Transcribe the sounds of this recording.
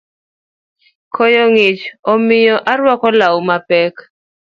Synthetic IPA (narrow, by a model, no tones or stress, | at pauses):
kʰɔjɔŋɪt͡ʃɔmɪjɔʔaɾwɔkɔlawmapɛk